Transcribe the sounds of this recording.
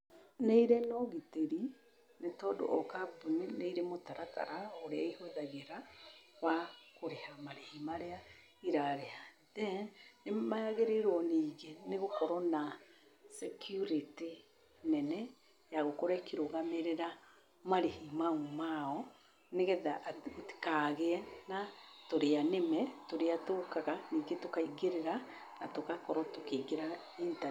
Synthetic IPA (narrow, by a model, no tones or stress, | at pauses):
neiɾenɔɣiteɾi | netɔdo̰ʔɔkapunineiɾemotaɾata̰ɾaoɾeaihweðaɣeɾawakoɾehamaɾehimaɾea | iɾaɾea | ðɛnemaaɣeɾeɾwɔniːɣeneɣokɔɾɔnasɛkʰjuɾiti | nɛnɛ | jaɣokɔɾaekiɾoɣameɾeɾa | maɾehimaumaɔ | neɣɛðaoti̥kaːɣeɛnatoɾeanemɛtoɾeatokaɣaniːɡetokaiɡeɾeɾanatokakɔɾɔtokeɡeɾa | inta